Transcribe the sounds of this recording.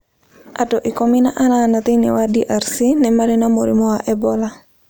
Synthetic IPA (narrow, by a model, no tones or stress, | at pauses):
ʔatɔʔɪkominaʔananat̪inḭwadiʔaɾsinɛmaɾɪnamoɾimɔwaʔɛbɔla